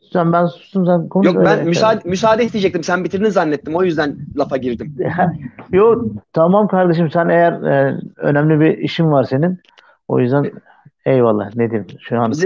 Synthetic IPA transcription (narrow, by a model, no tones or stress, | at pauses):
æmbænsu̥ʃt̪umsænkʰonjoønmysaːd̪mys̬aːd̪ɛid͡ʒɛk̚t̪ʰimsænbit̪ʰiɾinizanːɛt̪ːimo̞jyzd̪ænlˠafaɟiɾd̪imhɛjot̪ʰamamkʰaɾd̪eʃ̬ɯmsænejæɾø̰næmlʲibiiʃimvaɾse̞nin | o̞̰jyzd̪æn | ejvalˠːa̰ːned̪imʃuan